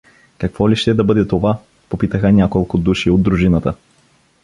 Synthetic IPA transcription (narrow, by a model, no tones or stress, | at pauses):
kɐkvɔliʃt̪ɛd̪ɐbɤd̪ɛt̪ova | popit̪əxənʲakolˠkʊd̪uʃiod̪ːɾuʒinət̪ə